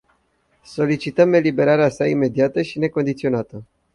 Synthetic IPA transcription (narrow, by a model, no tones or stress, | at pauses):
so̞lit͡ʃit̪əme̞libe̞ɾaɾeasaime̞d̪iat̪əʃine̞ko̞nd̪it̪sio̞nat̪ə